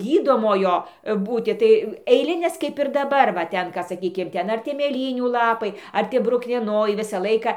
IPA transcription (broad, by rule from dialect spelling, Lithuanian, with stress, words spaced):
ˈɡʲiːdoːmoːjoː ˈbuːtʲɪ tɐɪ ɛɪˈlʲɪnʲeːs kɐɪp ɪr dɐˈbɐr ʋɐ ˈtʲɛn kɐ sɐˈkʲiːkʲɪm ˈtʲɛn ɐr ˈtʲiɛ mʲeːˈlʲiːnʲuː lˠɐˈpɐɪ ˈɐr tʲiɛ brʊknʲiɛˈnoːjɛɪ ˈʋʲɪsɑː ˈlˠɐɪkɐ